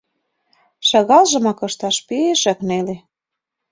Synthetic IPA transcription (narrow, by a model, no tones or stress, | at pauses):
ʃɑɣɑlʒɤ̆mɑkɤ̆ʃt̪ɑʃpieʃæ̆knele